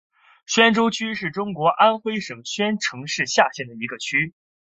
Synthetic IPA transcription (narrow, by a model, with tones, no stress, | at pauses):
ɕɥɛ˥nʈ͡ʂo˥ʊt͡ɕʰy˥ʂɻ̩˥˩ʈ͡ʂʊ˥ŋkwɔ˧˥ʔa˥nxwe˥ɪʂɤ˨˩ŋɕɥɛ˥nʈ͡ʂʰɤ˧˥ŋʂɻ̩˥˧ɕja˥˧ɕjɛ˥˩nd̪ə˩i˧˥ɡə˧t͡ɕʰy˥